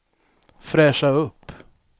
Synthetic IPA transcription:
fɾɛːʂaɵpː

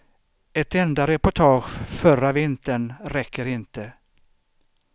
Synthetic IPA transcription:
ɛt̪ɛnd̪aɾɛpʊʈʰɑːɧfœravɪnt̪əɳɾɛkʰːəɾɪnt̪ə

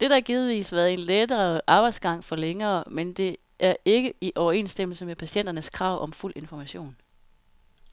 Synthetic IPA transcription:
d̥e̝ɾ̥ɐæɐɡ̥ið̞ˠʋḭːsʋæɐð̩ˠenled̥ɐʔɑ̈ːb̥ɑ̈ɪd̥sɡ̥ɑ̈ŋ̰fɒ̽leŋɐːmend̥e̝ | ʔæɐe̝ɡ̥əiʔɒʊɐe̝̰ːnsd̥em̰l̩səmepʰæɕen̰d̥ɐnəskʰʁɑ̈ʊ̰ʔɒ̽mful̰ʔe̝nfɒmæɕo̝̰ːn

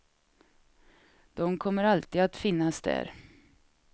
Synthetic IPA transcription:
d̪̥ɔmkʰɔmːəɾalt̪iːd̪at̪fɪnːasd̪æ̰ːɾ

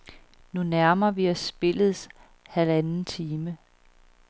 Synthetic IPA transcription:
nunæɐmɐʋiæsb̥e̝lð̩ˠs | hælænn̩t͡sʰiːmə

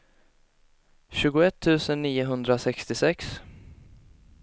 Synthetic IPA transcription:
ɕʉ̟ːɡʊɛt̪ʰːʉ̟ːsənːiːʊɦɵnd̪ɾasɛkst̪ɪsɛks

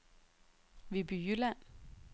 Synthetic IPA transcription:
ʋebyjylæn̰

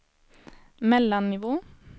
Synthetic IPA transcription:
mɛlɑnɪʋoː

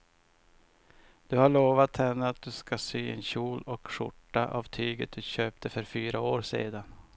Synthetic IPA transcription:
d̪̥ɵhaɭoːvat̪hɛnːəat̪̚d̪ɵskasyːɛ̰nɕuːlɔkʂʊ̰ʈːaʔavt̪ʰyːɡət̪̚d̪̥ɵɕøːp̚t̪əfœɾfyːɾaoːɾsḛːd̪an

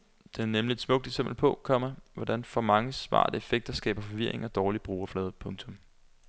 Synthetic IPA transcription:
d̥e̝æɐnemlie̝d̥smɔ̽ɡ̥̚d̥e̝semb̥l̩pʰɔ̽kʰɒ̽m̰ɐʋɒd̥ænfɒ̽mɑ̈ŋəsʋɑ̰̈ːd̥əefeɡ̥̚d̥ɐsɡ̥ɛ̰ːb̥ɐfɒ̽ʋiɐ̰e̝ŋɒ̽d̥ɒːlib̥ʁuːɐflɛːð̞ˠpʰɔ̽ŋt͡sʰɔ̽m

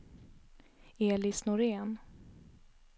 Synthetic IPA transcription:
eːlɪsnʊɾeːn

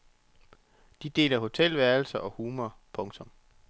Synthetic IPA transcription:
d̥id̥e̝̰ːlɐɦo̝t͡sʰel̰ʋæɐl̩sɐʔɒ̽huːmɐpʰɔ̽ŋt͡sʰɔ̽m

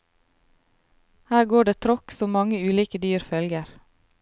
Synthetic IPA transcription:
hæːɡoːɖeːt̪ʰɾɔksɔmmɑŋəʉːliːkəd̪yːɾfœlɡəɾ

